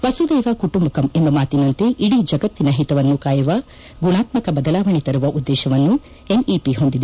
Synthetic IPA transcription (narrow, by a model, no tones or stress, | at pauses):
ʋɐsud̪ɛːʋɐkuʈumbɐkɐmembɐmaːt̪inɐnt̪eʔiɽid͡ʒɐɡɐt̪ːinɐɦit̪ɐʋɐnːukaːjuʋɐ | ɡuɳaːt̪mɐkɐbɐd̪ɐlaːʋɐɳit̪ɐɾuʋɐʔud̪ːɛːʃɐʋɐnːu | eniːpiɦond̪id̪e